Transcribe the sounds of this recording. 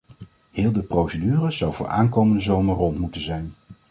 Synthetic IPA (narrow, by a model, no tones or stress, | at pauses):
hɪːlˠdəprowsədyːrəz̥ɑwvʊ̰ːɹʔa̰ːnkowməndəzowməɹrɔntmutənzɛjn